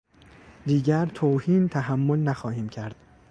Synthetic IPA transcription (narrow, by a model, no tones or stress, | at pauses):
d̪iːɟæɾt̪ʰoːhiːnt̪ʰæɦæmːolnæxɒːhiːmcʰæɾd̪̥